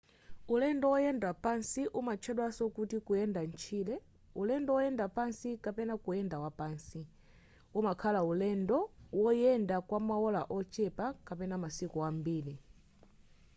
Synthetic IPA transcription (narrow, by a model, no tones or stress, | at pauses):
ulɛndɔwɔjɛndwapansiʔumat͡ʃʰɛɗwasɔkutikujɛndant͡ʃʰiːlɛ | ulɛndɔwɔjɛndapansikapɛnakujɛndawapaːnsi | umakʰalaulɛndɔwɔjɛndakwamaɔlaʔɔt͡ʃɛpakapɛnamasikɔambiːli